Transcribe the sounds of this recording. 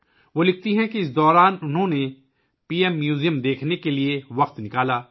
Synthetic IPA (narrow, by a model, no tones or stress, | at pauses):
ʋoːlɪk̚ʰt̪iɦɛ̃kiɪs̬d̪ɔːɾaːnʊnɦõne | piːɛmːjuːzijəmd̪eːkʰnekelieʋɐqt̪nɪkaːlaː